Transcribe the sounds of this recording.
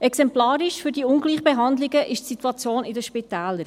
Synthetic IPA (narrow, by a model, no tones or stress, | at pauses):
ɛksɛmplɑːɾɪʃfʏɾd̥iːʊnɡliːχb̥eɦɑndlɪɡəʔɪʃtsituɑt͡sjoːnɪdəʃpɪtɛːləɾ